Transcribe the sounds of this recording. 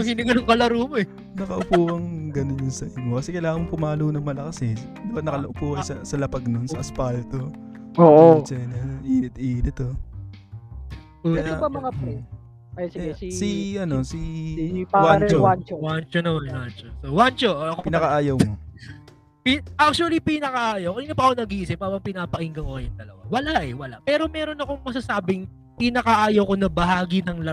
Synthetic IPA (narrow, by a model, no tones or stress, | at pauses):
ɐhinɪŋɡɐnoŋkɐlɐɾuːmoɛ | nɐkɐʔʊpuːkɐŋɡɐnonjʊnsɐʔɪɲokɐsɛkɐjlaːŋɐŋɐŋpʊmaːlonɐŋmɐlɐkɐsɛ | d̪ɐbɐt̪̚nɐkɐlɐʔʊpuːkɐsɐsɐlɐpɐɡ̚nonsɐʔɐspalt̪o̞ | oʔont͡ʃɐnɐʔiːnɪt̪̚ʔiːnɪt̪o | oɐjaɐmɐŋ | ɛsiʔɐnosi | awawant͡ʃowant͡ʃonɐmanwant͡ʃosowant͡ʃoɐkopnɐkɐʔaːjɐwmo | piʔak̚t͡ʃuɐlipɪnɐkɐʔaːjɐwkɐniːnopɐʔɐkonɐɡiːʔɪsɪpaːbɐŋpɪnaːpɐʔɪŋɡɐŋkokɐjʊnd̪ɐlɐwa̰wɐlaʔɛwɐla̰pɛːɾo̞mɛːɾo̞nɐko̞ŋmɐs̬asaːbɪŋ | pɪnɐkɐʔaːjɐwko̞nɐbɐɦaːɡɪnɐŋlɐ